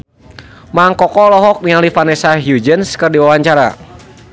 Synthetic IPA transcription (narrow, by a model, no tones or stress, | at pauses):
maŋkɔkɔlɔɦɔk̚niŋalifanɛsaɦjud͡ʒənskɨrdiwawaɲt͡ʃaɾa̰